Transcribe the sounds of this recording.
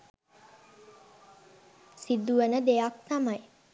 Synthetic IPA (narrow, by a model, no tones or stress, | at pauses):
sid̪uənəd̪ejakt̪amaj